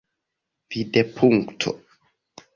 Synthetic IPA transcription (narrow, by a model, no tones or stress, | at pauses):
videpʰuŋktʰo̰